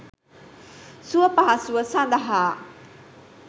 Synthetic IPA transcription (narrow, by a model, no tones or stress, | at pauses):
suɐpaɦasuɐsand̪aɦa